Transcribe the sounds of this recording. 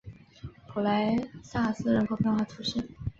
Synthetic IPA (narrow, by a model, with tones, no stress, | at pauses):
pʰu˨˩la˧˥ɪsa˥˩sɹ̩˥˩ɻə˧˥nkʰo˧˥ʊpjɛ˥˧nxwa˥˩t̪ʰu˧˥ʂi˥˩n